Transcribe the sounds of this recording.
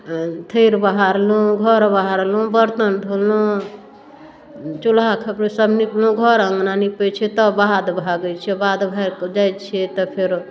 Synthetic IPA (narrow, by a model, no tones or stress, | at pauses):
t̪ʰəjɾbaɦaɾlũɡʱɔɾbaɦaɾlũbəɾt̪ənd̪ʱolũ | t͡ʃulakʰəpɾesəbʱniplũɡʱɔɾə̃ŋɡnanipet͡ʃʰɛt̪ɔbad̪bʱaɡət͡ʃʰɛbad̪bʱaɾd͡ʒajt͡ʃʰɛt̪ɔpʰeɾ